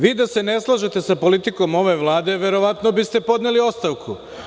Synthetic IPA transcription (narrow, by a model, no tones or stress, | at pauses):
ʋiːd̪ase̞ne̞slˠaʒet̪e̞sapo̞lit̪iko̞mo̞ʋe̞ʋlˠaːd̪e̞ʋe̞ɾo̞ʋat̪no̞bist̪e̞po̞d̪nelio̞st̪aʋkʰu